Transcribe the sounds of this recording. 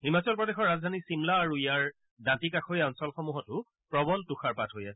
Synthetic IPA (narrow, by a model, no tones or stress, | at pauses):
himat͡sɔlpɹɔdexɔɹːazdʱanisimlaːɹuijaɹ | dãntikaxojɛɔnsɔlxɔmuɦɔtʊ | pɹɔbɔltuxaɹpatʰɦojɛ